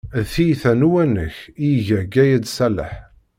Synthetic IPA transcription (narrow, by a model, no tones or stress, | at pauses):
θijθænuwænə̰çiʝæɡæjæd̪sælə̰ħ